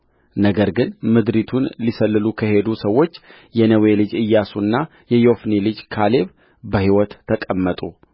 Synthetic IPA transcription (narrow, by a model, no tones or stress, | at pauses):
nəɡəɾɡɨnmɨd̪ɾit̪ʰunlisəlːɨlukʰəhe̞d̪usəwːo̞t͡ʃː | jɛnəwe̞lɨd͡ʒɨjːasunːa | jɛjo̞fnilɨd͡ʒkʰale̞β | bəhiwɔt̪ʰːəkʼəmːət̪ʼu